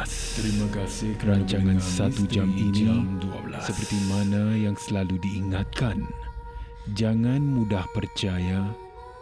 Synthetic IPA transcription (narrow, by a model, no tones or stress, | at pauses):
t̪ɾimakasɪkəɾaɲt͡ʃaŋansat̪ud͡ʒaminisəpərt̪imanajaŋsəlaludiːŋat̪̚kan | d͡ʒaŋanmudahpərt͡ʃaja